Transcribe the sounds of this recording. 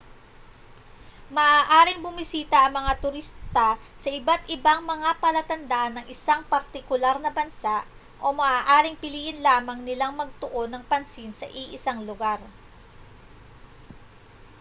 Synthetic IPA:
mɐʔaːʔaːɾɪŋbʊmɪsiːt̪ɐʔɐŋmɐŋat̪ʊɾist̪ɐsɐʔɪbat̪ʔɪbaŋmɐŋapɐlɐt̪ɐnd̪aʔɐnːɐŋʔɪsaŋpɐɾt̪ɪkʊlaɾnɐbɐnsaʔ | ʔo̞mɐʔaːʔaːɾɪŋpɪliːʔɪnlaːmɐŋnɪlaŋmɐɡ̚t̪ʊʔo̞nːɐŋpɐnsinsɐ̰ʔiʔɪsaŋlʊɡaɾ

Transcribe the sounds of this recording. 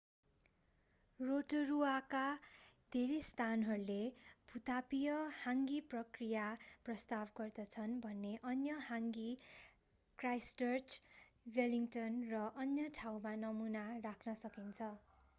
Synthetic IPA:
roʈruakad̪ʱeɾest̪ʰanɦʌɾuleb̥ʱut̪apijʌhaŋɡiprʌkrijaprʌst̪abɡʌrd̪ʌt͡sʰʌnbʱʌnːeʔʌnjʌhaŋɡi | krajst͡ʃʌrt͡ʃ | weliŋʈʌnrʌʔʌnjʌʈʰawmanʌmunarakʰnʌsʌkint͡sʰʌ

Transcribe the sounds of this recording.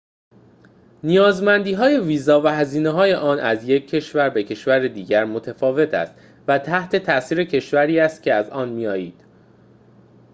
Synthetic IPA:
nijɒːzmænd̪iːɦɒːje̞viːzɒːvæɦæziːneɦɒːje̞ʔɒːnʔæzje̞cʰːe̞ʃvæɾbe̞cʰe̞ʃvæɾed̪iːɟæɾmot̪ʰefɒːve̞t̪ʰæ̰st̪ | væt̪ʰæht̪ʰe̞t̪ʰæʔsiːɾe̞cʰe̞ʃvæɾiːæst̪̚cʰe̞æzɒːnmijɒːjiːd̪̥

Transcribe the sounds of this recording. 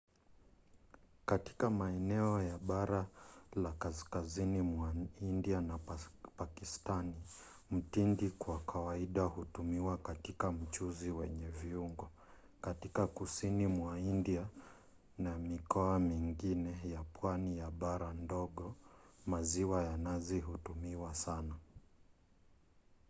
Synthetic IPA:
kati̥kamaɛnɛɔjaɓaɾalakaskazinimwaindianapakistani | m̩tindikwakʰawaiɗahutumiwakatikam̩t͡ʃuziwɛɲɛviuŋɡɔ | katikakusinimwaindia | namikɔamiŋɡinɛjapwanijaɓaɾandɔɠɔmaziwajanaziɦutumiwasana

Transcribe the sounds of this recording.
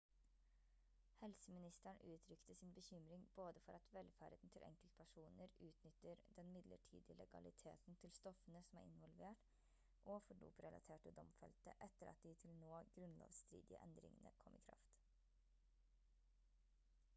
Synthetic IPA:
hɛlsəmɪnɪst̪əɳʔʉːt̪ʰɾʏkt̪əsɪnbəçʏmɾɪŋboːd̪əfɔɾɑt̪ʋɛlfæɾd̪ən̩t̪ʰɪlʔɛ̰ŋkəlt̪pʰæʂuːnəɾʉːt̪nʏt̪ːəɾd̪ɛnmɪd̪lə̰ʈʰḭːd̪ɪlɛɡɑ̰lɪt̪ʰeːt̪nt̪ʰɪlst̪ɔfənəsɔmæːɾɪ̰nʋɔlʋeːʈ | ʔɔfɔɖṵːpɾɛlʔɑ̰t̪ʰeːʈəd̪ɔmfɛlt̪əʔɛt̪ːəɾɑ̰t̪̚d̪ɪt̪ʰɪlnoːɡɾʉnlo̰ːʋst̪ɾḭːd̪ɪə̰ʔɛnd̪ɾɪ̰ŋənə̰kʰɔmʔɪkʰɾɑ̰ft̪

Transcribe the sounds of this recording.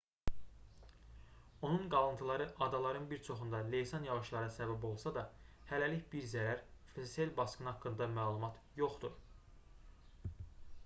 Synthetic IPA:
o̞nunɡɑlˠɯnt̪ʰɯlˠɑɾɯʔɑd̪ɑlˠɑɾɯnbiɾt͡ʃʰo̞χund̪ɑle̞jsɑnjɑʁɯʃlˠɑɾɯsæbæbo̞lˠsɑd̪ɑ | hælæliçbiɾzæɾæɾfɾeselbɑskɯnɦɑkːɯnd̪ɑmæːlˠumɑt̪ʰ | jo̞χd̪uɾ

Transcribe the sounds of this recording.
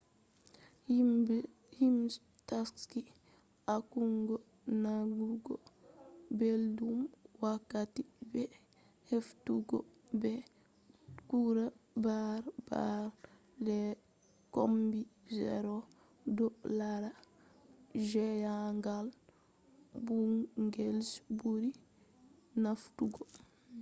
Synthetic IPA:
hims | taski | akuŋɡɔ | naɡuɡɔ | beldumwakːatibɛ | heftuɡɔ | bɛ | kuɾabaɾb̥a̰ɾ | dɛ | kombizɛ̰ɾɔ | dɔlaɾa | d͡ʒɛjaŋɡal | buŋɡelsbuɾi | naftuɡɔ

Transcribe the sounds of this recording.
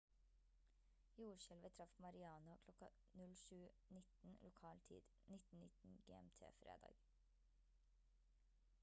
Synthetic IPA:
juːɾʃɛlʋət̪ʰɾɑfmɑɾɪɑːnʊkʰlɔkɑ | nʉlʃʉː | nɪt̪n̩lʊkʰɑːlt̪ʰḭːd̪̥ | nɪt̪n̩nɪt̪n̩ɡḛːɛ̰mt̪ʰḛːfɾḛːd̪ɑ̰ːɡ̥

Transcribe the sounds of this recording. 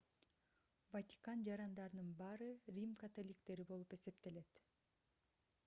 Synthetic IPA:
vɐt̪ʲi̥kɑnd͡ʒɑɾɑnd̪ɑɾɯnɯnbɑːɾɯrʲimkat̪o̞lʲikt̪e̞ɾibo̞lˠupe̞se̞pt̪e̞le̞t̪

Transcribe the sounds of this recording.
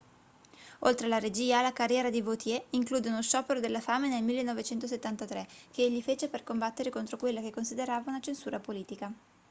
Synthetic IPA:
olt̪ɾelaɾed͡ʒiːalakarjɛːɾad̪ivot̪jɛiŋkluːd̪eunosʃɔːpeɾod̪elːafaːmenelmilːenɔvet͡ʃɛnt̪oset̪ːant̪at̪ɾek̟eeʎːifeːt͡ʃeperkombat̪ːeɾekont̪ɾokwelːakekːonsid̪eɾaːvaunat͡ʃensuːɾapoliːt̪ika

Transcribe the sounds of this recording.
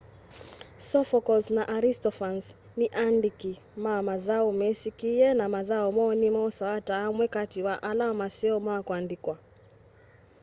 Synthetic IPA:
sɔfɔkɔlsnaʔaɾistɔfans | niʔandiki | mamaðaumɛsikiɛnamaðaɔmɔːnimɔsawatamwɛkatiwaʔalamasiɔmaakwandikwa

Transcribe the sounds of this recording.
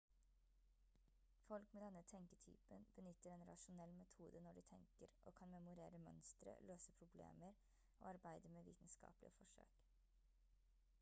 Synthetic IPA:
fɔlkmeːd̪ɛnːət̪ʰɛŋkət̪ʰy̰ːpənb̥ənʏt̪ːəɾɛnɾɑ̰ʃʊnɛlmɛt̪ʰuːd̪ənɔɖiːt̪ʰɛŋkəɾʔo̰ːkʰɑnmɛmʊɾeːɾəmœ̰nst̪ɾə̰løːsəpʰɾʊblḛːməɾ | ʔo̰ːɑɾbæɪd̪əmeːʋḭːt̪n̩skɑ̰ːplɪ̰əfɔʂø̰ːk

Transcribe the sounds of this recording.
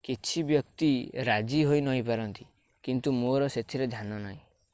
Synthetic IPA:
kit͡ʃʰibjɔk̚t̪iɾad͡ʒiɦojnɔɦĩpaɾɔnt̪i | kint̪umoɾɔset̪ʰiɾed̪ʱjananaɦĩ

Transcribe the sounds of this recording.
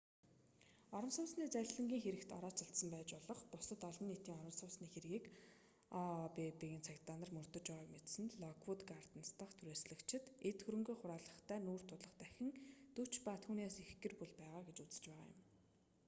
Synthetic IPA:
ɔɾɞ̆msʊːsniːt͡sæɮɮə̆ŋɡʲiːŋxeɾɘ̆kt̪ɔ̰ɾɔːt͡ɕaɬt̪sə̆mpæːt͡ɕpɔɮɞ̆χpʊsə̆t̪ɔɮɞ̆nːit̪iːŋɔɾə̆msʊːsniːxeɾɣiːkː | pepeɣʲɘnt͡sʰækt̪aːnə̆rmɵr̥t̪ɵ̆t͡ɕɔʁaːkmet̪sɘ̆nɮɔkʰwut̪ɡar̥t̪ə̆nst̪ə̆χt̪ʰuɾeːsɮɘ̆kt͡ɕʰɪ̆t̪et̪xɵɾɵ̆ŋɡuːχʊɾaːɮə̆χt̪ʰæːnuːr̥t̪ʰʊt̪ɮə̆χt̪æxʲɪ̆ŋt̪ɵt͡ɕpaːt̪ʰuːneːsexɡɘ̆rpuɮpæːʁaːɡet͡ɕut͡sɘ̥̆t͡ɕpæːʁa̰ːjʊ̰m

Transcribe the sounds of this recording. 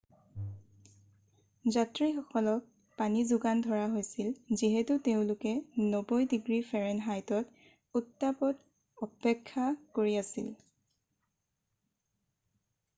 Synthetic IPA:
zatɹixɔkɔlɔk̚ | panizʊɡandʱɔɹaɦojsilziɦɛtʊteʊ̃lʊkɛnobɔjdiɡɹifʰɛɹɛnɦajtɔt | utːapɔt | ɔpɛkʰːakoɹiasḭl

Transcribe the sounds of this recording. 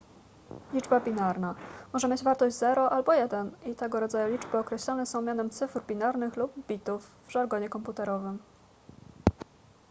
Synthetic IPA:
lʲid͡ʐbabʲinaɾnamɔʐɛmʲed͡ʑvaɾt̪ɔʑd͡ʑzɛɾɔʔalbɔjɛd̪ɛnit̪ɛɡɔɾɔd̪zajulʲid͡ʐbɘɔkɾɛɕlɔnɛsɔ̃w̃mʲjanɛmt̪sɘfɾbʲinaɾnɘxlubbʲit̪ufvʐaɾɡɔɲɛkɔmput̪ɛɾɔvɘm

